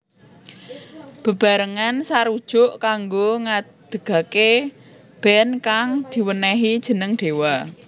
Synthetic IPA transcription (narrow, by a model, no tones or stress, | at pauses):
b̥ə̤b̥a̤ɾəŋansaɾud̥ʒ̥ʊ̤ʔkaŋɡoŋa | d̪̥ə̤ɡ̥ä̤ke | b̥ɛ̤nkaŋd̪̥i̤wənɛɦid̥ʒ̥ə̤nəŋɖ̪̥e̤wa